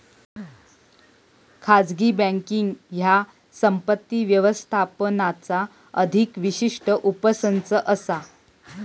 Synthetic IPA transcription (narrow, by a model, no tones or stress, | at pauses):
kʰad͡zɡiːbə̃ŋkiŋɡja | səmpət̪ːiʋjəʋəst̪ʰapənat͡sa | əd̪ʱikʋiɕiʂʈəʔupəsənt͡səʔəsa